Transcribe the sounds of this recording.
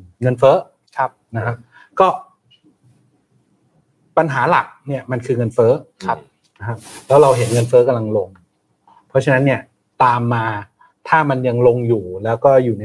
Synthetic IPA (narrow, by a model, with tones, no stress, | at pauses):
ŋɤ˧nfɤː˦˥˦ | p̚na˦˥kʰa˦˥p̚ | kɔː˥˩ | pa˧nɦaː˩˦la̰˨˩k̚ni˥˩ɐma˧nkʰɯː˧ŋɤ˧nfɤː˦˥˦p̚ | na˦˥kʰa˦˥p̚lɛː˦˥wɾa˧wɦe˩˦nŋɤ˧nfɤː˦˥ka˧mla˧ŋlo˧ŋ | pʰɔ˦˥t͡ɕʰa˧na˦˥nːi˥˩ɐ | t̪aː˧mːaː˧ | t̪ʰaː˥˩ma˧nja˧ŋlo˧ŋjuː˨˩lɛː˦˥wkɔː˥˩juː˨˩na˧